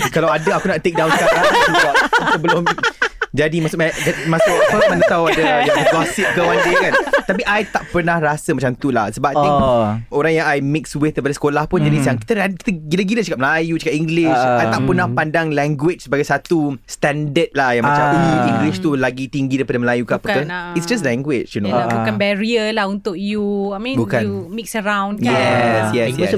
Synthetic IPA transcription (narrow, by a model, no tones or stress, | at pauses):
kalawadaakunaʔt̪ek̚dawnsəkaplaabasəbəlʊmd͡ʒadimãsʊd͡ʒaimãsuʔəmə̃nət̪awadaaɡɔsɪp̚kəwand͡ʒikant̪apiʔajt̪aʔpərnahrasəmat͡ʃamt̪ula̰hsəbaajt̪iŋoɾaŋjãŋajmɪkswɪt̪̚kəjpadasə̥kolahpʊnd͡ʒadisjaŋki̥t̪əaki̥t̪əɡilaɡilat͡ʃakap̚məlajut͡ʃəkaʔiŋɡlɪʃajt̪aʔpərnahpandaŋlɛŋɡwɪt͡ʃsəbaɡajsat̪ust̪ɛndət̪̚lahjaŋmmat͡ʃamuiŋɡlɪʃt̪ulaɡit̪iŋɡidajpadəməlajukaapəkaitsd͡ʒas̬lɛ̃ŋɡwɪt͡ʃjunoabukanbɛɹiəlahunt̪ʊk̚juamĩbukanumiksəɾãw̃njɛsjɛj